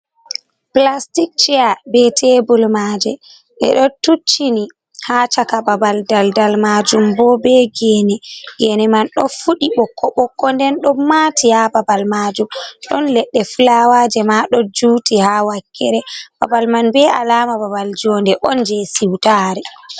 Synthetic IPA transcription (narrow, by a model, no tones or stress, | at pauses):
plastik̚t͡ʃɛabɛtʰebulmaːd͡ʒɛ | ɓɛ̰ɗɔtut͡ʃːini | hat͡ʃakababaldaldalmad͡ʒumbɔbɛɡɛnɛɡɛnɛmanɗɔfuɗiɓɔkːɔɓɔkːɔndɛnɗɔmaːtʰihababalmad͡ʒumɗɔnlɛɗːɛfulawaːd͡ʒɛmaɗɔd͡ʒuːtihawakʰːɛɾɛba̰balmanbɛalamababald͡ʒɔndɛʔɔnd͡ʒɛsiwtaːɾɛ